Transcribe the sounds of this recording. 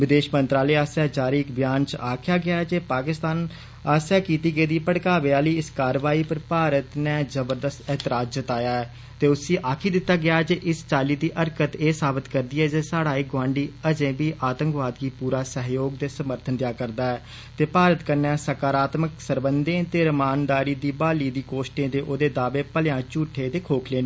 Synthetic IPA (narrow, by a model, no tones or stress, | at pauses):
ʋɪd̪eːʃmənt̪ɾaːleːaːsjaːd͡ʒaːɾiːɪkbɪjaːnt͡ʃaːkʰɪjaːɡɪjaːɛd͡ʒeːpaːkɪst̪aːn | aːsjaːkiːt̪iːɡeiːd̪iːpəɽkaːʋeaːliːɪskaːɾʋaːiːpəɾpaːɾət̪nɛːzəbəɾd̪əst̪ɛːt̪ɪɾaːd͡ʒd͡ʒət̪aːjaːɛː | t̪eːʊsiːʔaːkʰiːd̪ɪt̪ːaːɡɪjaːɛːd͡ʒeːʔɪst͡ʃaːliːd̪iːʔəɾkət̪eːsaːbɪt̪kəɾd̪iːɛːd͡ʒeːsaːɽaːiːɡwãːɳɖiːəd͡ʒẽːbiːʔaːt̪ə̃ŋkʋaːd̪ɡiːpuːɾaːsəɦjoːɡ̚d̪eːsəməɾt̪ʰənd̪jaːkəɾd̪aːɛː | t̪eːpaːɾət̪kəɾnɛːsəkaːɾaːt̪məksəɾbənd̪ẽːt̪eːɾəmaːnd̪aːɾiːd̪iːbaːliːd̪iːkoːʃʈẽːd̪eːʔoːd̪eːd̪aːbeːpəlɪjãːt͡ʃuːʈʰːeːt̪eːkʰoːkʰleːnː